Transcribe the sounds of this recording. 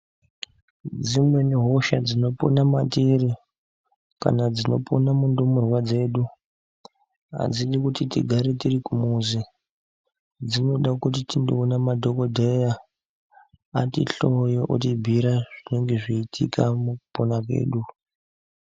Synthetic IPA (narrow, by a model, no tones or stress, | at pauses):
d͡zimwe̞neɦo̞ʃad͡zino̞po̰namatiri | ka̰nad͡zino̞pʰo̞namundumurwad͡ze̞ːɗu | a̰d͡ziɗikutitḭɡʱaɾetirikumuzi | d͡zino̞ɗakutitindoːnamadʱokodʱeja | tḭɬo̞joʔotibʱiɾaʐine̞ŋɡe̞ʐiːtʰikʰamukuponakwe̞̰ːɗu